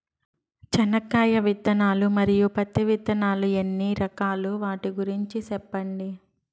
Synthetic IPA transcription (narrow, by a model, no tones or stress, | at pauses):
t͡ʃɐnɐkːaːjɐʋid̪ɐnaːlumɐɾijupɐt̪ːiʋid̪ɐnaːluenːiɾɐkaːluʋaːʈiɡuɾiɲt͡ʃisɛpːɐɳɖi